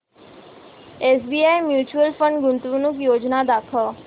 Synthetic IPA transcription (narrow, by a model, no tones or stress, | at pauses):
eːsbiːaːjmjuːt͡ʃuəlfə̃ɳɖɡʊnt̪ʋunukjoːd͡ʒnad̪akʰə